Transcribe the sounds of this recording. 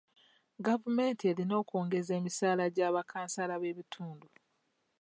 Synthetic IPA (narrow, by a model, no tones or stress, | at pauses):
ɡavume̞ːntie̞lino̞ːkoːŋɡe̞ze̞ːmisaːlaɟaːβakʰaːnsalaβe̞ːβitʰuːndu